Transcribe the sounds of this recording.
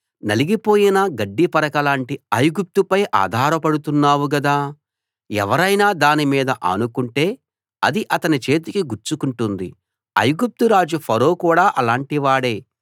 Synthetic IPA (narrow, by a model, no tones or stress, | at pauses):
nɐliɡipo̞ːjinɐɡɐɖːipɐɾɐkɐlaːɳʈiɐjuɡup̚t̪upɐjʔa̰ːd̪ʱaːɾɐpɐɽut̪unːaːwuɡɐd̪aː | ɛ̰ʋɐɾɐjnaːd̪aːnimiːd̪ɐʔɐ̰nukuɳʈe̞ː | ɐ̰d̪iʔɐt̪ɐnit͡ʃe̞ːt̪̬ikiɡuɾt͡ʃukuɳʈund̪ḭ | ɐ̰jɡup̚t̪uɾaːd͡ʒupʰɐɾo̞ːkuːɽaːʔɐlaːɳʈiʋaːɽe̞ː